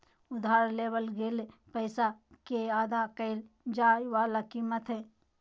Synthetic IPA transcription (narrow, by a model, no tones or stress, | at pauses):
ʊd̪ʱaːɾleːbəlɡelpəɪsakeaːd̪akəɪl | d͡ʒaːjʋaːlakiːmət̪ɦe